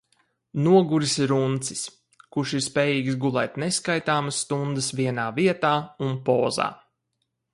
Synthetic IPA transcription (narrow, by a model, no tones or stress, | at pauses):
nuɔɡuɾisɾunt̪si̥s | kuʃiɾspʲeːjiːɡsɡulˠɛ̰jt̪neskajt̪aːməsːt̪und̪əsviɛnaːviɛt̪aːunpɔːza̰ː